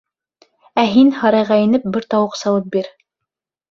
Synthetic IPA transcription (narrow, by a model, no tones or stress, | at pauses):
æɦinhɑɾɑjʁɑinɘp̚bɘɾt̪ɑwɤqsɑlˠɤp̚biɾ